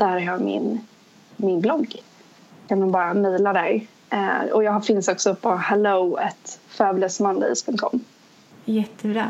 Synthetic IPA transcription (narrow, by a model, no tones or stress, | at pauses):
d̪æɾæjɑmɪ̰n | mɪnblɔɡː | kʰand̪ʊmbɑːɾamɛːlad̪æɾ | ɔjɑːɡɦaɾfɪnsɔksɔpʰɔhɛloɛt̪fœːbləsmand̪ɛ̰spʰɵŋkt̪kʰɔ̰mː | jɛt̪ʰːəbɾɑː